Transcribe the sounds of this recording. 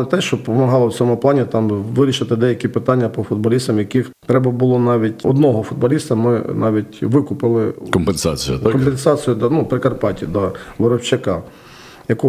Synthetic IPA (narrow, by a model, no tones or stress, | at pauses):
t̪ɛʃt͡ʃɔpɔmɐɦɑlˠɔwt͡sʲɔmʊplˠɑnʲit̪ɑmʋɪɾʲiʃɪt̪ɪd̪ɛjɐkʲipɪt̪ɑnʲːɐpɔfʊd̪̚bɔlʲist̪ɐmjɐkixt̪ɾɛbɐbʊlˠɔnɑʋʲitʲɔ̰d̪nɔɦɔfʊd̪̚bɐlʲist̪ɐmɪnɑʋʲitʲʋɪkʊpɪlˠɪkɔmpensɑt͡sʲḭj̰kɔmpensɑt͡sʲijʊd̪anupɾɪkɐrpɑtʲid̪ɔʋɔɾɔwt͡ʃɐkɑ | jɐku